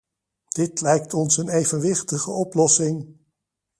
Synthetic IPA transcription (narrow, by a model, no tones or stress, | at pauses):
d̥ɪtlɛjk̚tɔnsənejvənʋɪχtəχəʔɔplɔsɪŋ